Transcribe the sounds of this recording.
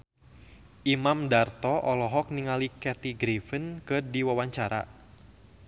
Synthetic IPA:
ʔimamdart̪ɔʔɔlɔɦɔk̚niŋalikɛt̪iɡɾifənkɨrdiwawaɲt͡ʃaɾa̰

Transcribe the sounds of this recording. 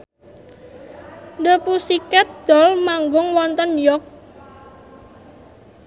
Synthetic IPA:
ndəpusikɛt̪̚d̪̥ɔ̤lmaŋɡʊŋwɔnt̪ɔnjɔk̚

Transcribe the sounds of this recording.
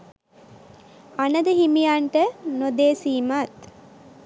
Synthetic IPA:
anəd̪əɦimijaɳʈənod̪eːsiːmat̪

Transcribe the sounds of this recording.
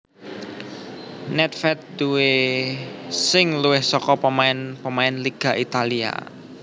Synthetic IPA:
nɛt̪̚fɛt̪̚duwe | sɪŋluwɪhsɔkɔpəmaɪnpəmaɪnliɡ̥a̤ʔit̪alia̰

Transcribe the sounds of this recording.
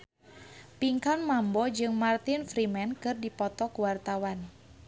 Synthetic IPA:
piŋkanmambɔd͡ʒɨŋmart̪infɾimɛnkɨrdipɔt̪ɔkuwart̪awan

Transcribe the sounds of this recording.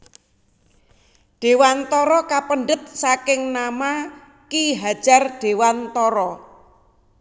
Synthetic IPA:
ɖ̥e̤want̪ɔɾɔkapənɖət̪̚sakɪŋnama | kiɦad̥ʒ̥a̤rɖ̥e̤want̪ɔɾɔ

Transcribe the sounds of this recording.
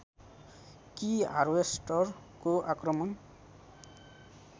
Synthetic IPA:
kia̰ɾwesʈʌr | koʔakrʌmʌn

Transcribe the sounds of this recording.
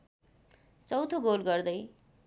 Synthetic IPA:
t͡sʌwt̪ʰoɡolɡʌrd̪ʌj

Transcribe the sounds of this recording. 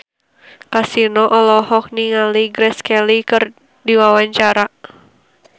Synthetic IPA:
kasinɔʔɔlɔhɔk̚niŋaliɡɾɛskɛlikɨr | diwawaɲt͡ʃaɾa

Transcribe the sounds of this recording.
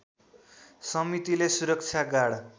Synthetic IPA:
sʌmit̪ilesuɾʌk̚t͡ʃʰaɡaɽ

